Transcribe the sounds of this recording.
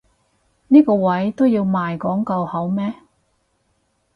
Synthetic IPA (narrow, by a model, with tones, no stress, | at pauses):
niː˥kɔː˧wɐ˨˥jt̪o˥wjiː˧wmaː˨jkɔː˨˥ŋkɐ˧whɐ˨˥wmɛː˥